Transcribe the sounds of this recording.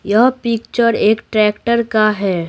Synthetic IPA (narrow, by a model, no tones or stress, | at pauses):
jɐɦpɪkt͡ʃəɾeːkʈɾɛːkʈəɾkaɦɛː